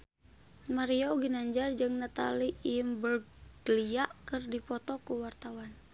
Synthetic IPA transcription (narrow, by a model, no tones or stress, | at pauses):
maɾioɡinaɲd͡ʒard͡ʒɨŋnat̪a̰limbəl | ɡ̥əliaʔkɨrdipɔt̪ɔkuwart̪awan